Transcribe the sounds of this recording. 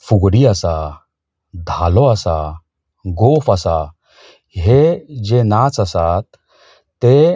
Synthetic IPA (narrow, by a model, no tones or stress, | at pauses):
fuɡɽiasa | d̪ʱaloasa | ɡofasa | ɦed͡ʑenat͡sasat̪ː | e